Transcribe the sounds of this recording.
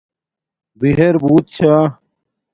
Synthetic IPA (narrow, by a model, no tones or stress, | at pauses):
biɦeɾbuːt̪̚t͡ɕʰa